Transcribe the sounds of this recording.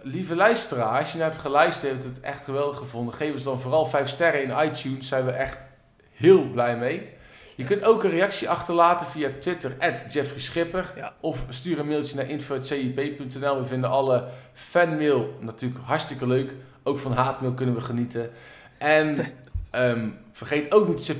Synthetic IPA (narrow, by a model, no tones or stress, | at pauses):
livəlœɥstəraːsjənaɦɛp̚tχəlœɥstheftətɛ̰χtχəʋɛlˠdəχəvʊndəχejvənsdɑnvoːrɑlˠvɛjfstɛɾəɪnɑjtjunsːɛjnʋəʔɛχt | hɪːlˠblɛjmejjəkɵntowkənrejɑksiʔɑχtərlaːtəviatʋɪtərɛtd͡ʒɛfrisχɪpərɔfstyːɾənmɪːlˠtjənaːʔɪnfoːɛtsejipejpɵntɛnɛlˠʋəvɪndənʔɑlˠə | fɛnmɪːlˠnatyːləkɦɑɹstɪkəløɥk | owkfɑnɦaːtmɪːlˠkɵnənʋəχənitə | ʔɛnəmfərχejtowknitsɪ